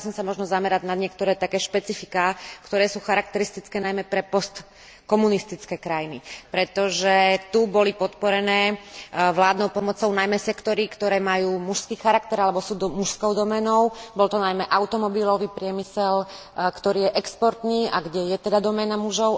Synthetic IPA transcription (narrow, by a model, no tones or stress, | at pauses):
sɔmsamɔʒnɔzamɛɾaɟnad̪ɲɪɛk̚t̪ɔɾɛːt̪akɛːʃpɛt͡sifikaːkt̪ɔɾɛːsuːxaɾak̚t̪ɛɾist̪it͡skɛːnajmɛpɾɛpɔst̪ | kɔmunist̪it͡skɛːkɾajinipɾɛt̪ɔʒɛt̪ubɔlipɔt̪pɔɾɛnɛːʋlaːd̪nɔʊpɔmɔt͡sɔʊnajmɛsɛkt̪ɔɾikt̪ɔɾɛːmajuːmuʃskiːxaɾakt̪ɛɾalɛbɔsuːd̪muʃskɔʊd̪ɔmɛnɔʊbɔlt̪ɔnajmɛʔaʊt̪ɔmɔbilɔʋiːpɾɪɛmisɛl | kt̪ɔɾiːjɛʔɛkspɔɾt̪niːʔaɡɟɛjɛt̪ɛd̪ad̪ɔmɛnamuʒɔʊ